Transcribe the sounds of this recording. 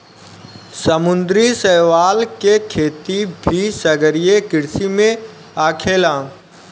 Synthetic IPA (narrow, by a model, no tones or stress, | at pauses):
sɐmʊ̃nd̪ɾisəɦʋaːlkekʰeːt̪ibʱisɐɡəɾijekɪɾsimẽ | aːkʰeːlãː